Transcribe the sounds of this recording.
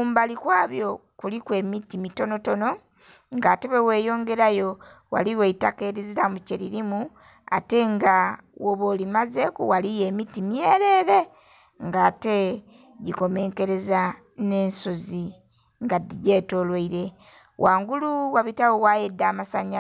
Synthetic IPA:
uːmbalikwaːβjo̞kulikwe̞ːmitimito̞no̞to̞no̞ | ŋɡaːtewewe̞ːjo̞ːŋɡe̞ɾajo̞ | wa̰liweitake̞ɾiziɾamuceɾiɾimu | a̰te̞ŋɡawoβolimazekuwalijeːmitimijeɾeːɾe̞ | ŋɡaːte̞ | ɟiko̞me̞ːŋke̞ɾe̞za | ne̞ːnsozi | ŋɡadiɟeto̞lweiɾe̞ | waːŋɡuluwaβitawowajedːaːmasaɲa

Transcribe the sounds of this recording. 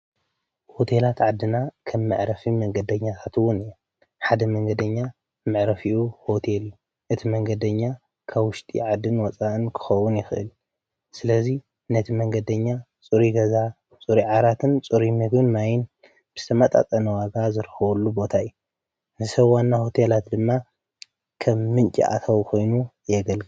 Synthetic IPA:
ho̞t̪ʰe̞lat̪ʕad̪ːɨnakʰɐmːɨ̰ʕɾɐfimɐŋɡɐd̪ɐɲːat̪ʰat̪wʊniju | ħad̪ɐmɐŋɡɐd̪ɐɲːa | mɨʕɾɐfiʔuho̞t̪ʰelju | ʔɨt̪ʰimɐŋɡɐd̪ɐɲːa | kʰaβwʊʃt̪ʼḭʕad̪ːɨnwɔt͡sʼaʔɨnkʰɨ̥xɐwʊnjɪxɨʔɨ̰l | sɨlɐzi | nɐt̪ʰimɐŋɡɐd̪ɐɲːa | t͡sʼɨɾiɡɐza | t͡sʼuɾiʕaɾat̪ʰɨnt͡sʼuɾimɨɡɨnmajɪn | b̥ɨz̥ɨ̥t̪ʰɐmat̪ʼa̰t̪ʼɐnɐwaɡazɨɾxɐβɐlːubo̞t̪ʰaju | zɨsɐβwanːaho̞t̪ʰelat̪d̪ɨmːa | kʰɐmːɨnt͡ʃʼḭʔa̰t̪ʰɐwkʰo̞jnu | jɛɡɐlɡɨ

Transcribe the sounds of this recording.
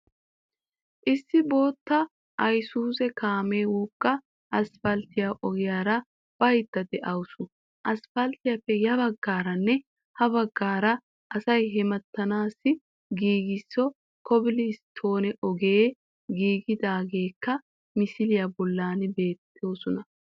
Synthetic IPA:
ʔɪsːɪbo̞ːt̪ːɐ | ʔɐjsuːsɛkaːmeːwuːkʼːɐ | ʔɐsfɐlt̪ɪjaʔɔɡɪjaːɾɐ | b̥ɐjt̪ːɐd̪ɛʔɐwʊsʊ | ʔɐsfɐlt̪ɪjɐpːɛjɐβɐɡːaːɾɐnːɛ | hɐβɐɡːaːɾɐ | ʔɐsɐjɦɛmɐt̪ːɐnaːsːɪ | ɡiːɡɪsːɔ | kɔbɪlɪst̪ʰo̞ːnɛʔɔɡeː | ɡiːɡɪd̪aːɡe̞ːkːɐ | mɪsɪlɪjabɔlːaːnbe̞ːt̪ʰːo̞ːsɔnɐ

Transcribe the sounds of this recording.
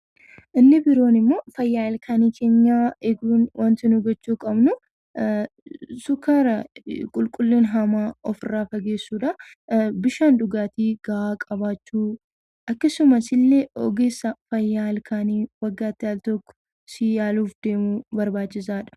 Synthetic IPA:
ʔɪnːɪbɪɾo̞ːnɪmːo̞ːfɐjːaːlkʰaːniːkʰe̞ːɲːaːɛɡuːnwʔɐnt̪ɪnuɡɔt͡ʃːuːkʼɐbnʊ | sʊkaːɾɐkʼʊlkʼʊlːinɦɐmaːɔfɪrːaːfɐɡe̞ːsːuːᶑɐ | bɪʃaːnd̪ʊɡaːt̪iːɡɐaːkʼɐbaːt͡ʃːuː | ʔɐkːɐsʊmɐsɪlːeɔɡeːsːɐfɐjːaːlkʰaːniːwɐɡːaːt̪ːɪjaːlt̪ɔkːɔ̥ | sɪjaːluːfd̪̥e̞ːmubɐɾbaːt͡ʃːɪsaːᶑɐ̥

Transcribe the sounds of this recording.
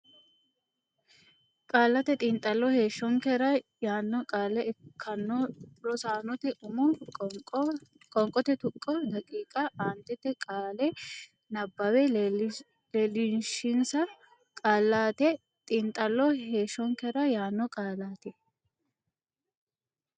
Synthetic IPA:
kʼaːlːɐt̪ɛt̪ʼɪnt̪ʼːɐlːɔhe̞ːʃːɔŋkɛɾɐjaːnːɔkʼaːlːɛʔɛkʰːɐnːɔɾɔsaːnɔt̪ɛʔʊmʊ | kʼɔŋkʼɔt̪ɛt̪ʊkʼːɔd̪ɐkʼiːkʼɐʔaːnt̪ɛt̪ːɛkʼaːlɛ | nɐbːɐwɛ | lelɪnʃɪnsɐ | kʼaːlːaːt̪ɛ | t̪ʼɪnt̪ʼːɐlːɔheːʃːɔŋkɛɾɐjaːnːɔkʼaːlaːt̪ɛ

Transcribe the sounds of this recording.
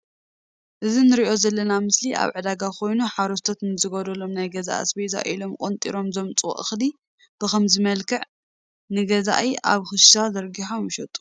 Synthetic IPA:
ʔɨzinɨɾiʔo̞zɐlːɐnamɨsliʔa̰βʕɨd̪aɡakʰo̞jnuħaɾɐst̪ʰot̪nɨzɨɡod̪ɐlomnajɡɐza̰ʔa̰sbejza̰ʔʔilo̞mkʼont̪ʼḭɾo̞mzomt͡sʼw̰ʔɨxli | b̥ɨxɐmzɨmɐlkʰɨʕ | nɨɡɐza̰ʔiʔa̰βxɨʃʃazɐɾɡiħomjɪʃɐt̪ʼu̥

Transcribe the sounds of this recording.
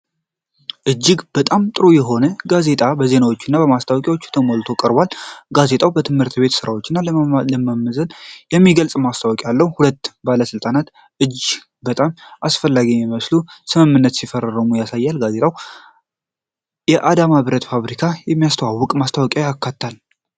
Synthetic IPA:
ʔɨd͡ʒːɪɡb̥ət̪ʼamt̪ʼɨɾojɛɦo̞nəɡaze̞t̪ʼabəze̞nawo̞t͡ʃːɪnːabəmast̪ʰawkʼjawot͡ʃːɛt̪ʰəmolt̪ʰo̞kʼəɾbalɡaze̞t̪ʼʰawbət̪ʰɨmhɨɾt̪ʰbe̞t̪sɨɾawo̞t͡ʃːɪnːalləmamːəzənjɛmːiɡəlt͡sʼmast̪ʰawɔkʼalːəhhulət̪ːbaləsɨlt̪ʼanat̪ | ʔɨd͡ʒː | bət̪ʼamʔasfəlːaɡimiməslusɨmɨmːɨnːət̪sifəɾərəmujasajːalɡaze̞t̪ʼʰaw | jɛʔad̪amaβɾət̪faβɾikʰajɛmːijast̪ʰwawːʊkʼmast̪ʰawɔkʼjawjakːat̪ːal

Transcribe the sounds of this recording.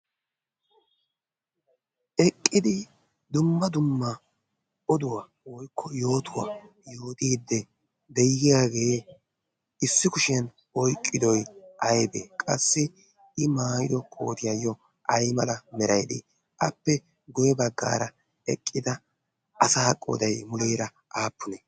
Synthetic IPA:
ʔɛkʼːɪd̪ɪ | d̪ʊmːɐd̪ʊmːɐ | ɔd̪ʊwa | wɔjkʰːɔjo̞ːt̪ʊwa̰ | jo̞ːt̪iːd̪ːɛ | d̪ɛjɪɡɪjaːɡe̞ː | ɪsːɪkʊʃɛn | ɔjkʼːɪd̪ɔjʔɐjbḛkʼɐ̰sːɪ | ɪmaːjɪd̪ɔkʼo̰ːt̪ɪjajːɔ | ʔɐjmɐlɐmɛɾɐjd̪ɪ̰ | ʔɐpːɛ | ɡɔjɛbɐɡːa̰ːɾɐ | ɛkʼːɪd̪ɐ | ʔɐsaːkʼːo̰d̪ɐjmʊleːɾɐ | ʔaːpːʊnɛ

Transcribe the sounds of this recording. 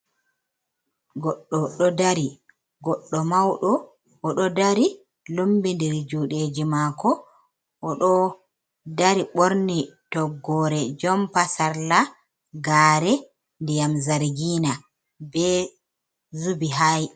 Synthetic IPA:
ɡɔɗːɔɗɔdaɾi | ɡɔɗːɔmawɗɔː | ɗɔdaɾi | lombindɛɾd͡ʒuɗed͡ʒimakɔ | ʔːɗɔ | daɾiɓoɾnitɔɡːɔɾɛd͡ʒɔmpasaɾla | ɡaːɾɛ | ndijamzaɾɡiːna | bɛ | zubiɦaj

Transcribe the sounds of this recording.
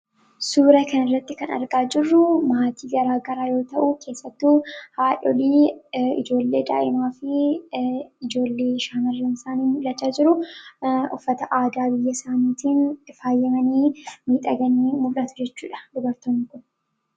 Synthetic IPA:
suːɾɐkɐnɪrːɐt̪ːɪkɐnɐ̰ɾɡaːd͡ʒɪrːʊmaːt̪ʰiːɡɐɾaːɡɐɾaːjo̞ːt̪ɐʔukʰe̞ːsːɐt̪ːuhaːᶑɔ̰liːɪ̰d͡ʒo̞ːlːḛːd̪a̰ːʔɪmaːfɪ | ɪd͡ʒo̞ːlːeːɪʃaːnɐrːɐnɪsaːniːmʊlːɐt͡ʃːaːd͡ʒɪɾʊ | ʊ̰fːɐt̪ɐʔaːd̪aːbɪjːɐsaːniːt̪ʰiːnfaːjːɛmɐniːmiːᶑ̪ʼɐɡɐniːmʊlːɐt̪ʊ̥d͡ʒɛt͡ʃːuːᶑɐ̥d̪ʊbɐɾt̪oːnːɪkʊn

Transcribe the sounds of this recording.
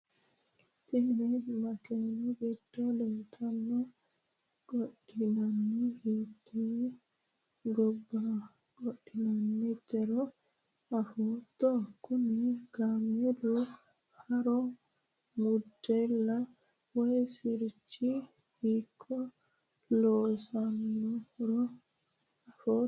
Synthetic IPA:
t̪inimakɛnɔbɛdːɔlɛnt̪ʰanːɔ | ɡɔɗinanːihit̪i | ɡɔbːa | ɡ̥ɔɗːinanːit̪ɛɾɔ | ahut̪ːɔkʊnɛɡ̥aːmjɛdɔ | hɐɾɔ | mʊdːɛlːɐ | wɔjsɪɾt͡ʃːi | hikʰːɔ | lɔːsanːɔɾɔ | ɐfoː

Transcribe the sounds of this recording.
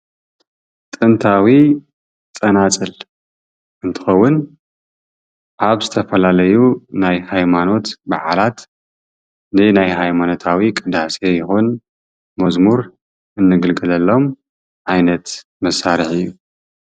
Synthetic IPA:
t̪ʼɨnt̪ʰawi | t͡sʼɐnat͡sʼɨl | ʔɨnt̪ʰɨ̥xɐwːʊn | ʔaβzɨt̪ʰɐfɐlalɐjunajhajmano̞t̪baʕalat̪ | nɨnajɦajmano̞t̪ʰawikʼɨd̪asejɪxun | mɐzmuɾ | ʔɨnːɨɡɨlɡɨlɐlːo̞m | ʕajnɐt̪ | mɐsːaɾiħɨjːu

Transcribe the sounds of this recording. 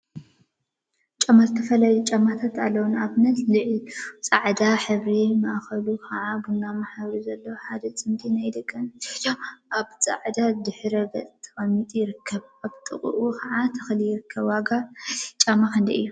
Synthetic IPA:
t͡ʃʼamːazɨt̪ʰɐfɐlajut͡ʃʼamːat̪ʰat̪alːɐwunaβnɐt̪lɨʕlit͡sʼaʕd̪aħɨβɾimɐʔxɐlukʰɐʕaɡɨnːamaħaβɾizɐlːɐwħad̪ɐt͡sʼɨmt̪ʰʼinajd̪ɨkʼːɐn | ʔaβt͡sʼa̰ʕd̪ad̪ɨħɾɐbɐt͡sʼt̪ʰːɐ̥χʼɐmːit̪ʼujɪɾɨkʰːɐβaβt̪ʼɨ̰χʼṵʔʼukʰɐʕat̪ʰɐxlijɪɾɨkʰːɐβwaɡat͡ʃʼamaxɨnd̪iɨ̰jːu

